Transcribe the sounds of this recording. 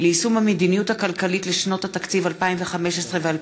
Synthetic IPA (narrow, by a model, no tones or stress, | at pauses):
leisumhamed̪inijuthakalkalitleʃno̞that̪akt͡sivalpaimveχameʃesʁe̞veal